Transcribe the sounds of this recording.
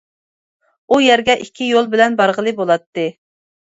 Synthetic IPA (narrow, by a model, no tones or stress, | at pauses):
ujɛɾɡʲɛʔikʲʰːijolˠbɪlɛnbɑɾʁəlˠɨbolˠɑt̪ːɨ